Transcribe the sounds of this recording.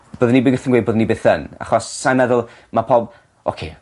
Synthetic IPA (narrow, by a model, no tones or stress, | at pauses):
b̥oːðənibɪɡəθənɡwed̚boːðnːibeːθəna̰χɔsːajnmɛðʊlˠ | mapʰɔb | o̰kʰḛː